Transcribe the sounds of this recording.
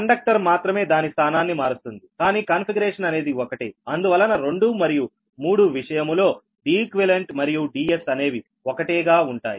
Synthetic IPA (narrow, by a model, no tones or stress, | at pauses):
kɐɳɖɐk̚ʈɐɾmaːt̪ɾɐme̞ːd̪aːnist̪ʰaːnaːnːimaːɾust̪und̪ikaːniːkaːnpʰiɡɐɾeːʂɐnɐne̞ːd̪iɔkɐʈiːɐnd̪uʋɐlːɐnɐɾe̞ɳɖumɐɾiju | muːɽuʋiʂɐjɐmlo̞ː | ɖiːkʋeleɳʈmɐɾijuɖiːesɐne̞ːʋi | ɔkɐʈɛːɡaːuɳʈaːji